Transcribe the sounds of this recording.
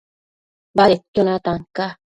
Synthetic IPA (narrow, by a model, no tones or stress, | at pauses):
baɾetʲːonat̪aŋka